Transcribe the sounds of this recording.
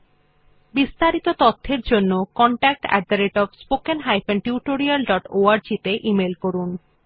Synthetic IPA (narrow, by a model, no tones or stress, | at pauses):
bist̪aɾit̪ot̪ɔt̪ʰːeɾd͡ʑonːokɔɳʈak̚ʈɛ̰ɖ̚d̪aɾeʈɔbspokenɦajpenʈiuʈoɾialɖɔʈoaɾd͡ʑit̪eʔimelkoɾun